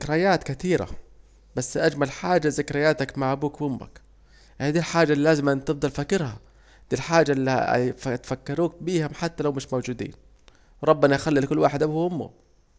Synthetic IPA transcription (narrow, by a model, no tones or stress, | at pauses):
kɾɪjaːt̪kɪt̪iːɾa̰ | basːʔad͡ʒmalħaːd͡ʒazɪkɾɪjːaːt̪akmaʕʔabuːkwʊmːa̰k | haːd̪iːlħaːd͡ʒːalːilaːzɪmʔɪnt̪ɪbd̪ˤɑlfakːɪɾha̰ | d̪̥iːlħaːd͡ʒaʔlːḭt̪fakːɑɾuːk̚biːhʊmħat̪ːalawmɪʃmowd͡ʒuːd̪ḭːn | wɾˤɑbːɪnaʔxalːilɪkʊlːwaːħɪd̪ʔabuhʊmːʊ̰